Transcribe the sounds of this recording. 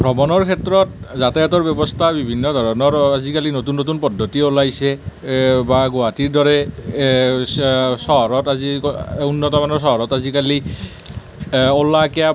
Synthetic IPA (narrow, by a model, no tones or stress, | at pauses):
bʱɹɔmɔnɔɹkʰɛtɹɔt̚zatɛjatɔɹbɔbɔstʰabibʱinːɔdʱɔɹɔnɔɹazikalinotunːotunpɔdʱːotiolajsɛ | baɡowatiɹdɔɹɛ | sɔɦɔɹɔtaziunːɔtɔmanɔɹs̬ɔɦɔɹɔtazikali | olakɛja